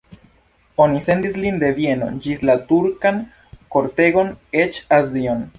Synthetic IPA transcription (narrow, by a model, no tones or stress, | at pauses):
o̞nise̞ndislinde̞vje̞no̞̰d͡ʒislatuɾkan | ko̞ɾte̞ɡo̞net͡ʃazio̞n